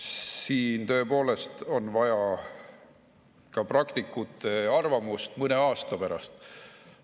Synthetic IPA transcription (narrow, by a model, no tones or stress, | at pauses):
siːnt̪ø̞ːpo̞ːle̞st̪o̞nvɑjɑ | kɑprɑkt̪ikːˑut̪ːˑe̞ɑrvɑmust̪mɤne̞ɑːst̪ɑpeɾɑ̰st̪